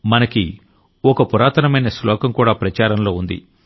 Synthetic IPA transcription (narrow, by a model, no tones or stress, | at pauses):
mɐnɐki | ɔkɐpuɾaːt̪ɐnɐmɐjnɐslɔːkɐmkuːɽaːpɾɐt͡ʃaːɾɐmlo̞ːund̪ḭ